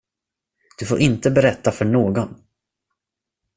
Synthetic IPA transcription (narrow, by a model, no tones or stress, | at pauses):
d̪̥ɵfoːɾʔɪnt̪əbɛɾɛt̪ːafœɳoːɡɔn